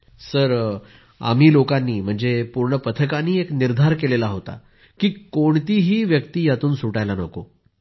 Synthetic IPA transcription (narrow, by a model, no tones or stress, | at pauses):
səɾ | a̰m̤iːlokanːiːm̤əɳd͡zepuɾɳəpət̪ʰəkaniːekniɾd̪ʱaɾkelelaɦot̪a̰ | kiːkoɳt̪iːɦiːʋjəkt̪iːjat̪uːnsuʈajlanə̰ko